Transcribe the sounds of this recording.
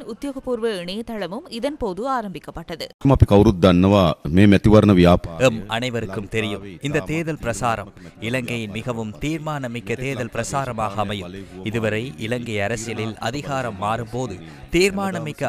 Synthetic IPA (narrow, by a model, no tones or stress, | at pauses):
ʊt̪ːjoːɣɐpːuːɾʋɐɪɳɐjɐt̪ːɐɭɐmɯmɪðɐnpoːðɯaːɾɐmbɪkːɐpːɐʈːɐðɯmapikɐʋɾut̪̚d̪ɐnːɐʋaːmeːmɛt̪ːiʋɐɾnɐʋijaːpɛmʔɐnɐɪʋɐɾɯkːɯmt̪ɛɾɪjɯmɪnd̪ɐt̪eːðɐlpɪɾɐsaːɾɐmɪlɐŋɡɐjɪnmɪɣɐʋɯmt̪iːɾmaːnɐmɪkːɐt̪eːðɐlpɪɾɐsaːɾɐmaːɣɐːmɐjɯmɪðɯʋɐɾɐɪʔɪlɐŋɡɐɪɐɾɐsɪjɐlɪlɐ̰ðɪɣaːɾɐmːaːɾɯmpoːðɯ | t̪iːɾmaːnɐmɪkːɐ